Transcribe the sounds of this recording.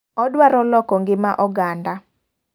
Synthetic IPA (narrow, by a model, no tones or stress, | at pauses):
ɔdwaɾɔlɔkɔŋɡɪmaʔɔɡanda